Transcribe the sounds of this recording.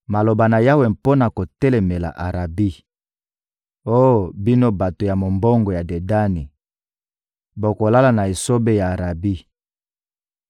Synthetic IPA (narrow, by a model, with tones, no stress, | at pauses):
ma˨lo˨ba˨na˨ja˦we˨mpo˦na˨ko˨tɛ˦lɛ˨me˨la̰˨ʔa˨ʁa˨bi˦ | o˦˨bi˦no˦ba˨to˨ja˨mo˨mbo˦ŋɡo˨ja˨de˨da˦ni˨ | bo˨ko˨la˦la˨na˨e˨so˦be˦ja˨a˨ʁa˨bi˦